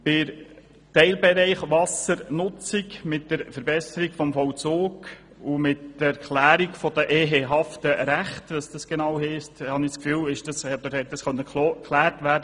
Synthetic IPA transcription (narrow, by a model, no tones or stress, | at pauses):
pɪɾ | tɛɪlbɛɾɛɪχʋɑsəɾnʊt͡sikmɪtdəɾfəɾbɛsəɾikfɔmfɔwt͡soːɡ | umɪtd̥əæɾkχlæːɾikfɔd̥̪əʔeːɦeɦɑftəɾæχtʋəsd̥ɑsɡ̥enɑwɦɛɪsthɑniskfyːlɪʃd̥ɑsod̥̪əɾhɛt̚dɑsχœnːəklokʰːlæːɾtʋæːɾdə